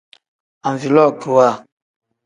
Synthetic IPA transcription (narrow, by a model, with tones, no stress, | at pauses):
ã˨ɱ˨vi˨lɔ˦˨kə˨wa˦˨